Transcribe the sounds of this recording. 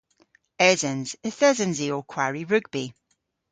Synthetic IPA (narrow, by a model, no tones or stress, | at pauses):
ɛzənz̥əθɛzənziɔkʰwaɹiɹʉɡ̚b̥i